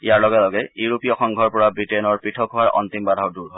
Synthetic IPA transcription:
ijaɹlɔɡɛlɔɡɛjuɹupijɔxɔŋɡʱɔɹpɔɹabɹitenɔɹpɹitʰɔkɦɔaɹʔɔ̰nt̪imbadʱawduɹɦɔj

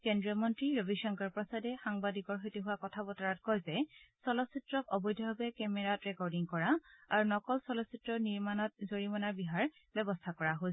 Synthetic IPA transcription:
kɛndɹiɔmɔntɹiɹobʱiʃɔŋkaɹpɹɔsadɛxaŋbadikɔɹɦojtiɦʊwakɔtʰabɔtaɹatkɔjzɛsɔlɔsitɹɔk̚ɔbɔjdʱɔbabɛkɛmɛɹatɹɛkɔɹdiŋkɔɹaaɹunɔkɔlsɔlɔsitɹɔniɹmanɔt̚zoɹimɔnaɹbiɦaɹ | bɛbɔstʰakɔɹaɦo

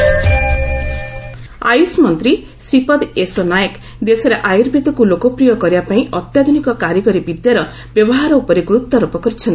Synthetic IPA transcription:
a̰jusmɔnt̪ɾi | sɾipɔd̪esonajek | d̪esɔɾeʔajuɾbʱit̪ɔkulokɔpɾijɔkɔɾibapaĩʔɔt̪jad̪ʱunikɔkaɾjɔkɔɾibid̪jaɾɔ | bjɔbɔɦaɾɔupɔɾiɡɾut̪ːɔɾupɔkɔɾit͡ʃʰɔni

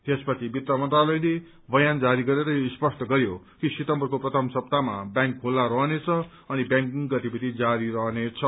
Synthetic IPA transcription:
t̪espʌt͡sʰibit̪rʌmʌnt̪ralʌjne | bʌjand͡zaɾiɡʌɾeɾʌjoispʌsʈʌɡʌɾjo | kisit̪ʌmbʌrkoprʌt̪ʰʌmsʌb̚t̪amabjãŋkːolːaɾʌɦnet͡sʰʌ | ʌnibjãŋkiŋɡʌt̪ibid̪id͡zaɾiɾʌɦnet͡sʰʌ

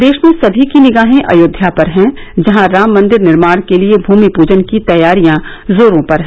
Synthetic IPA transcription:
d̪eːʃmẽsɐbʱikinɪɡaːɦẽʔɐ̰joːd̪ʱjapɐɾɦɛ̃ | d͡ʒɐɦãɾaːmːɐ̃nd̪ɪɾnɪɾmaːɽ̃keliebʱuːmipuːd͡ʒənkit̪ɐjaːɾijã | zoːɾõpɐɾɦɛ̃

